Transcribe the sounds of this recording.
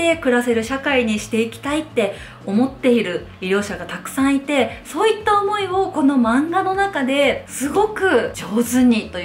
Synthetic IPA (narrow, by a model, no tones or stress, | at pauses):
e̞kɯ̟ɾase̞ɾɯ̟ɕakaiɲ̟iɕi̥t̪e̞ikʲi̥t̪ait̪ːe̞ | o̞mo̞t̪ːe̞iɾɯ̟ | iɾʲo̞ːɕaɡat̪akɯ̟̥sãɰ̃it̪e̞so̞ːit̪ːaomo̞io̞ko̞no̞mãŋɡano̞nakad̪e̞sɨɡo̞kɯ̟d͡ʑo̞ːzɨɲ̟it̪o̞